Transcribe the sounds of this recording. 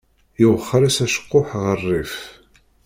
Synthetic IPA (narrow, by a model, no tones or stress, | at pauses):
iwəχːəɾæsæʃə̥qːʊħʁərˤːif